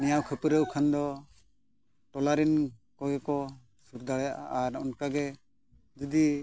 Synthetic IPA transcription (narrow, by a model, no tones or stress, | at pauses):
nɛjawkʰəpəɾəwkʰand̪ɔ | ʈɔlaɾɛnkɔɡɛkɔ | suɾd̪aɽɛjaʔaaɾɔ̰nkaɡɛ | d͡ʒɔd̪i